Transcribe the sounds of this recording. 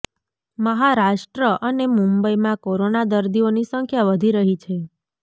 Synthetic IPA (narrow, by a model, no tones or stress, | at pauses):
məɦaɾaʂʈɾəʔənemũmbəimãkoɾonad̪əɾd̪ionisəŋkʰjaʋəd̪ʱiɾəɦit͡ʃʰe